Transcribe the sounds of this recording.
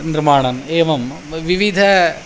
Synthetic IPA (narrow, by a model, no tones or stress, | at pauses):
niɾmaːɳɐneːʋɐm | ʋiʋid̪ʱɐ